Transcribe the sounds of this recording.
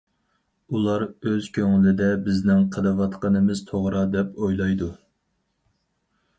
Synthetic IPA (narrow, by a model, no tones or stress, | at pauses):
ulˠɑɾøz̥kʲʰøŋɪlɪd̪ɛbɪznɪŋqʰəlɨvɑt̪qənɨmɪz̥t̪ʰoʁɾɑd̪ɛpojlˠɑjd̪u